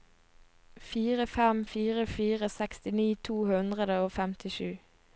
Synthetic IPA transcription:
fiːʁəfɛmfiːʁəfiːʁəsɛkst̪ɪniːt̪ʰuːhʉnd̪ʁəd̪əoːfɛmt̪ɪʃʉː

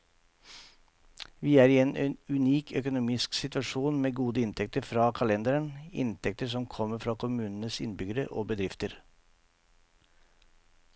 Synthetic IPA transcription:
ʋiːæːɾiːɛeːnʔeːnʉniːkʰœkʊnʊmɪsksɪt̪ʋɑʂuːnmeːɡuːd̪əɪnt̪ʰɛk̚t̪əɾfɾɑːkʰɑlɛnd̪əɾənɪ̰nt̪ʰɛkt̪əsɔmkʰɔmːəɾfɾɑːkʰʊmʉːnənəsɪ̰nbʏɡəɾə̰ʔo̰ːbəd̪ɾɪft̪əɾ

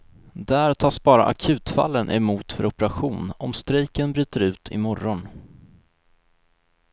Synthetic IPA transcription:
d̪æːɾt̪ʰɑːsbɑːɾa̰ʔakʰʉ̟ːt̪fa̰lːənʔɛmuːt̪fœɾʔɔpəɾaɧuːnɔmst̪ɾiːkənbɾyːt̪əɾʉ̟ːt̪ʰɪ̰mɔɾɔn

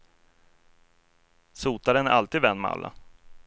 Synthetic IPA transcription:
suːt̪aɾənæɾʔalt̪iːd̪vɛnːma̰lːʔa̰

